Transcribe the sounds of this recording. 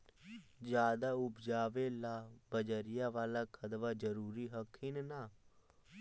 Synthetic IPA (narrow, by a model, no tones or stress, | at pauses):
d͡ʒjaːd̪aːʊpd͡ʒaːʋeːlaːbəd͡ʒəɾɪjaːʋaːlaːkʰəd̪ʋaːd͡ʒəɾuːɾiːɦəkʰːiːnnaː